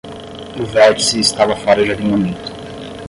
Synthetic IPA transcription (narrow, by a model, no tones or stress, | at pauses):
uvɛtsiːst̪avɐfaɾɐʒad̪imonit̪ʊ̥